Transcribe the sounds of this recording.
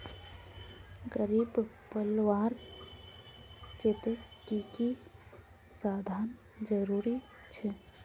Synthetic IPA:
ɡəɾiːbpəlwaːɾ | ket̪ekiki | saːd̪ʱaːn | d͡ʒəɾuːɾi | t͡ʃʰɛ

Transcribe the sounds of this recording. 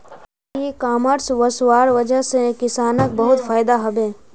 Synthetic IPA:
ikaːməɾsʋəswaːɾʋəd͡ʒəɦsẽkɪsaːnək̚bəɦʊt̪fʰaːjd̪aɦɐbẽː

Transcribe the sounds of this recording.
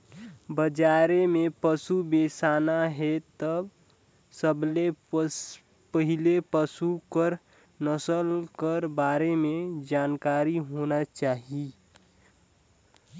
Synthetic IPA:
bəd͡ʒaːɾemẽpəsubeːsaːnaɦɛt̪əb | səble | pəɦɪlepəsukəɾ | nəsəlkəɾbaːɾemẽd͡ʒaːnkaːɾiɦoːnat͡ʃaːɦi

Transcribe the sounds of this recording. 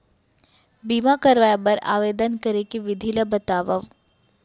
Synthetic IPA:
biːmakɐɾʋaːjabɐɾa̰ːʋeːd̪ənkɐɾekiʋɪd̪ʱiləbɐt̪aːʋəʋ

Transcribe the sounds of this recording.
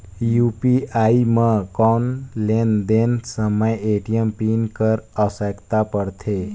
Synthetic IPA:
jupiaiməkɔnlend̪ensəməjeʈijəmpinkəɾəsəkt̪apəɾt̪ʰe

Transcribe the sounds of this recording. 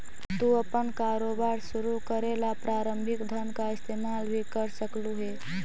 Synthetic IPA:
t̪uəpənkaɾobaɾsuɾukəɾelapɾaɾəmbʱikd̪ʱənkaɪst̪emalbʱikəɾsəkluɦe

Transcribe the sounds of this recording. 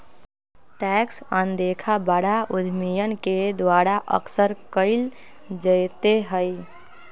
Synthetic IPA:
ʈɛksənd̪ekʰabəɽaʊd̪ʱmijənked̪waːɾaʔə̰ksəɾkəɪl | d͡ʒəjt̪eɦəj

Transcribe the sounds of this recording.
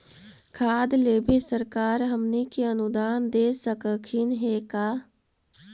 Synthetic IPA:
kʰaːd̪leːbʱesəɾkaːɾɦəmnikeɐnʊd̪aːnd̪eːsəkəkʰɪnɦeːkaː

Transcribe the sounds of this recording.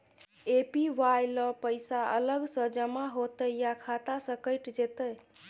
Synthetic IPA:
epiʋajləpəjsaə̰ləɡsə̃d͡ʒəmaɦot̪əjakʰat̪asəkəjʈd͡ʒet̪əj

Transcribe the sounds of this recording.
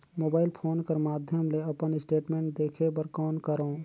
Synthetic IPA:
mobaːɪlpʰoːnkəɾmaːd̪ʱjəmleəpənɪsʈeːʈmẽɳʈ̚d̪ekʰepəɾkɔːnkəɾəː

